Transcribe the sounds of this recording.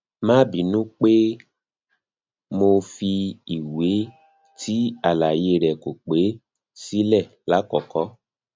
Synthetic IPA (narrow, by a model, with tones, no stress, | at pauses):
mãː˦bi˨nũ˦k͡pe˦ | mo˧fi˧i˨we˨˦ | tʰi˦a˦˨la˨je˧ɾɛ˨ko˨k͡pe˨˦ | si˦lɛ˦˨ | la˨˦kɔ˨kɔ˨˦